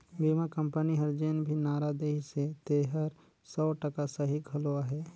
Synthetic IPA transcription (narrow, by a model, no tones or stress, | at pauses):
bimakə̃mpəniɦɐɾd͡ʒeːnbʱinaːɾad̪eːɦset̪eːɦəɾ | sɔːʈəkasɐɦiɡʱɐloaɦɛː